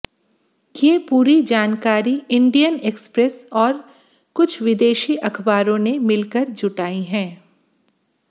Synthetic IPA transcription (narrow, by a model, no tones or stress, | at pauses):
kepuːɾid͡ʒaːnkaːɾiɪ̃ɳɖijəneːkspɾɛsɔːɾ | kʊt͡ʃʰʋɪd̪eːʃiʔɐkʰbaːɾõnemɪlkəɾd͡ʒʊʈaːiɦɛ̃ː